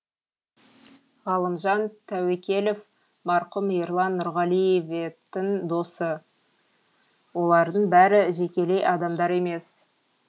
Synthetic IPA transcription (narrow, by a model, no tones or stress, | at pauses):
ʁɑlˠəmʒɑnt̪ʰæwekʲe̞lef | mɑɾqʊmijɾlˠɑnːʊɾʁɑlˠijevet̪ːɪŋd̪o̞sə | wo̞lˠɑɾd̪əɴbæɾɪʒekʲe̞le̞jɑd̪ɑmd̪ɑɾe̞me̞s